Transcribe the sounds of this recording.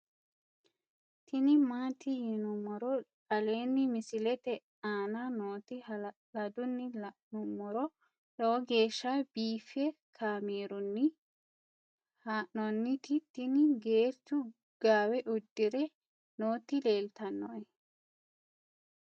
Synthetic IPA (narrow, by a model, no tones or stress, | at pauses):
t̪ɪnɪmaːt̪ɪhɪnʊmɔɾɔᶑɐle̞ːnːɪmɪsɪlɛt̪ɛ | aːnanoːt̪ɪh | lɐd̪ʊnːɪlnʊmɔɾɔ | loːɡe̞ːʃːabiːfɛkʰaːmeːɾʊnːɪ | haːnɔnːɪt̪ɪt̪ɪnɪɡeːɾt̪ʊ | ɡ̥aːwɛʔʊd̪ːɪɾɛ | noːt̪ɪle̞ːlt̪ɐnːɔɛ